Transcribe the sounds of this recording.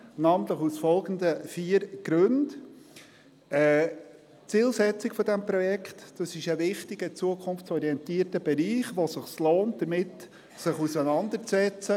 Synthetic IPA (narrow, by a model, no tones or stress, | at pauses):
nɑːmənt̪ləχusfɔlˠɡən̩d̪əfiːəɾɡ̥ɾɵnd | ɛ | t͡siːlsɛt͡sɪkfɔdɛmpɾɔjɛkχtd̥ɑsɪʃəʋɪχtɪɡət͡suəkʰʊnft͡sɔɾiɛntiːəɾtəb̥ɛɾiːχʋɔsəχsloːnt̚d̥əɾmɪt | sɪχusənɑnd̪əɾt͡sɛt͡sə